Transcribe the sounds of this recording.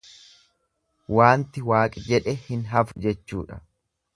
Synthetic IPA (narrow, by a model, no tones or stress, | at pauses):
waːnt̪ɪwaːkʼɪd͡ʒɛᶑɛhɪnɦɐfʊd͡ʒɛt͡ʃːṵːᶑɐ̥